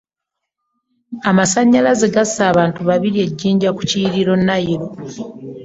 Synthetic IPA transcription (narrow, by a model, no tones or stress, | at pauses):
amasaɲːalaze̞ɡasːaːβaːntuβaβiɾie̞ɟːiːɲɟaku̥ciɾiɾo̞nːajiɾo̞